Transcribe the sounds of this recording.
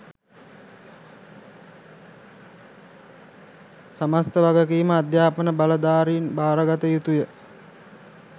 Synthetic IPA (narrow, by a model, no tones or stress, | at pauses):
samast̪əʋaɡəkiːməad̪jaːpənəbaləd̪aːɾiːnbaːɾəɡat̪əjut̪ujə